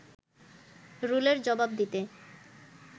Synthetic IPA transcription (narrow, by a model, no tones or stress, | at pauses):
ɾuleɾd͡ʑɔbab̚d̪it̪e